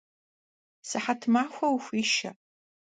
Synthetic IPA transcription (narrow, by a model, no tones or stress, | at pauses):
sɨħatʰmaːxʷɐwxʷiːʃɐ̰